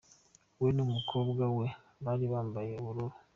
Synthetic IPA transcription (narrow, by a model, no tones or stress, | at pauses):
wenumukʰo̞ːbɡawe | βaːɾiβaːmbaje̞uɾuɾu